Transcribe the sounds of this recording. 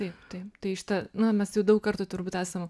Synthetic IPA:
t̪ɐɪpt̪ɐɪp̚t̪ɐɪʃʲɪ̥t̪ɐnʊmʲɛsjɛʊdɐʊkkɐrt̪ʊt̪ʊɾbuːt̪æːsɐm

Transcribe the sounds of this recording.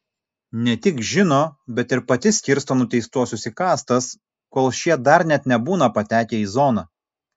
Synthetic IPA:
nʲɛt̪ʲɪkʒʲɪnoːbʲɛt̪ɪɾpɐt̪ʲɪsʲkʲɪɾst̪oːnʊt̪ʲɛɪst̪uɔsʲʊsʲikɑːst̪ɐs | koːlˠʃʲiɛd̪ɐɾnʲɛt̪nʲɛbuːnɐpɐt̪ʲæːkʲeːiːzoːnɑ

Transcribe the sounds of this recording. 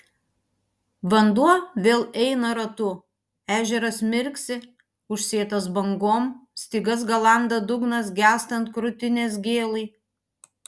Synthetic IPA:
ʋɐnd̪uɔʋʲeːlˠɛɪnɐɾɐt̪ʊ | æːʒʲɛɾɐsmʲɪɾʲksʲɪ | ʊʃʲsʲeːt̪ɐsbɐŋɡoːmsʲt̪ʲɪɡɐs̬ɡɐlˠɑˑnd̪ɐd̪ʊɡnɐsɡʲæːst̪ɐnt̪̚kɾʊt̪ʲɪnʲeːs̬ɡʲeːlˠɐɪ

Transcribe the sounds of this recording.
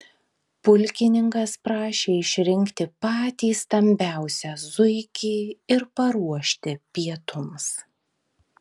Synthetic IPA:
pʊlʲkʲɪnʲɪŋkɐspɾɑːʃʲeːɪʃʲɾʲɪŋʲkt̪ʲɪpɑːt̪ʲiːsːt̪ɐmʲbʲæˑʊsʲɛzʊɪkʲiːɪɾpɐɾuɔʃʲt̪ʲɪpʲiɛt̪ʊms

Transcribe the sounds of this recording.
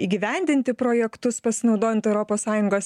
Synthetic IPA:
iːɡʲɪʋʲæˑnʲd̪ʲɪnʲt̪ʲɪpɾoːjɛkt̪ʊspɐsʲɪnɒʊd̪oːjɛnt̪ɛʊɾoːpoːssɑːjʊŋɡoːs

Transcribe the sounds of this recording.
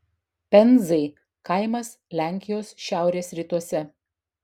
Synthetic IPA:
pʲɛnʲˑzɐɪ | kɐɪmɐs | lʲæˑŋʲkʲɪjoːsʃʲæˑʊɾʲeːsɾʲɪt̪uɔsʲɛ

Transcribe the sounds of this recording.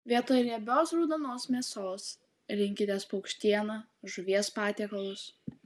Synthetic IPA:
ʋʲiɛt̪oːjlʲiɛbʲoːsɾuːd̪ɐnoːsmʲiɛsoːs | ɾʲɪŋʲkʲɪt̪ʲeːspɐʊkʃʲt̪ʲiɛnɐ | ʒʊʋʲiɛspɑːt̪ʲɛːkɐlˠʊs

